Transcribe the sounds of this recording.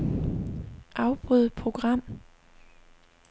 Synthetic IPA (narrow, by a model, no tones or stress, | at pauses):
ʔɑ̈ʊb̥ʁuðˠpʰʁo̝ɡ̥ʁɑ̈m̰